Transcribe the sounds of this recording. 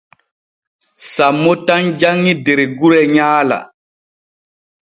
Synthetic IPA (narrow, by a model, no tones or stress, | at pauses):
samːotand͡ʒaŋːideɾeɡuɾɛɲaːla̰